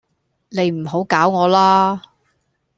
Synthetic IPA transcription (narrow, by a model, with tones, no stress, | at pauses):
ne˨˧jm̩˨˩ɦo˨˥wkaː˨˥wŋɔː˨˧laː˥